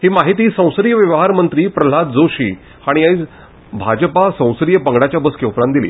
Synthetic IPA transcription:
hiːmaɦit̪iːsə̃w̃sɾijəʋjəʋɦaɾmənt̪ɾiːpɾəl̤at̪̚d͡zoɕiː | aɽ̃iait͡s | bʱad͡ʑəpasə̃w̃sɾijəpəŋɡɽat͡ɕjabəskjõwfɾãnd̪ilḭː

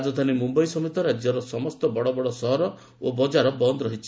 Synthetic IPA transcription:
d͡ʒɔt̪ʰanimumbɔjsɔmit̪ɔɾad͡ʒjɔɾɔsɔmɔst̪ɔbɔɽɔbɔɽɔsɔɦɔɾɔ | obɔd͡ʒaɾɔbɔnd̪ɔɾɔɦit͡ʃʰi̥

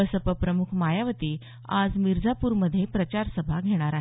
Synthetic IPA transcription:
əsəpəpɾəmukʰmajaʋət̪iː | a̰d͡zmiɾd͡zapuːɾməd̪ʱːjepɾət͡ɕaɾsəbʱaɡʱeɽ̃aɾaɦ

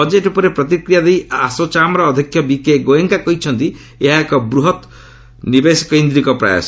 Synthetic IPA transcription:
ɔd͡ʒeʈupɔɾepɾɔt̪ikɾijad̪ejasot͡ʃamɾɔːd̪ʱikʰjɔbikeɡojɔŋkakɔɦit͡ʃʰʌnt̪i | eɦaekɔbɾuɦɔt̪ | nibesi̥kɔind̪ɾikɔpɾa̰ja̰s

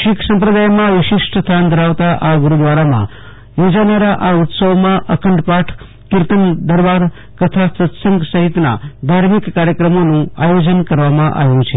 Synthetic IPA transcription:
ʃikʰsə̃mpɾəd̪ajmãʋɪʃɪʂʈst̪ʰand̪ʱəɾaʋt̪aʔaɡuɾud̪ʋaɾamã̰ | jid͡ʒanəɾaʔaut̪səʋmãʔəkʰəɳɖpaʈʰ | kɪɾt̪ənd̪əɾbaɾ | kət̪ʰasət̪səŋɡsəɦit̪na̰d̪ʱaɾmikːaɾjəkɾəmonũajod͡ʒənkəɾʋamãʔa̰ʋjũt͡ʃʰe

